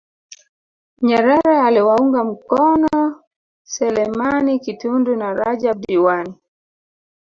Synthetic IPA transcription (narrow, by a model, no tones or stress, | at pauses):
ɲɛɾɛɾɛaliwauŋɡam̩kɔnɔ | sɛlɛmanikitundunaɾad͡ʒab̚diwani